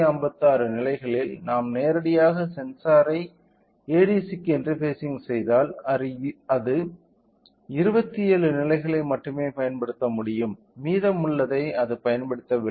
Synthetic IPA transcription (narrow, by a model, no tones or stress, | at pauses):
ɐmbɐt̪ːaːɾɯnɪlɐɪɣɐɭɪlnaːmneːɾɐɽɪjaːɣɐsɛnsaːɾɐɪ | eːɽiːsɪkːɛndrɯpeːsɪŋɡsɛjðaːlɐɐðɯ | ɪɾɯbɐt̪ːɪeːɻɯnɪlɐɪɣɐɭɐɪmɐʈːɯmeːpɐjɐnpɐɽɯt̪ːɐmʊɽɪjɯmːiːðɐmʊɭːɐðɐɪɐðɯpɐjɐnpɐɽɯt̪ːɐʋɪ